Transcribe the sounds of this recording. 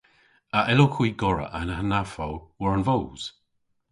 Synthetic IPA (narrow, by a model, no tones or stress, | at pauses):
aʔɛlokʰwiːɡɔɹə̰ʔanahanafawwəɹənvowz̥